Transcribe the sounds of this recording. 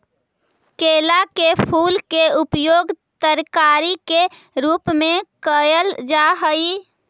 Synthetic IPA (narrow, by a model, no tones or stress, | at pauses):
kelakepʰuːlkeupjoːɡ | t̪əɾkaɾike | ɾuːpmẽkəjəld͡ʒaɦəi